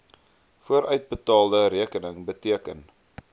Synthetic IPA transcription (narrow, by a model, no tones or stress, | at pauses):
fuəɾʔœɥt̚bətɑːlˠdəɾiəkənəŋbətiəkən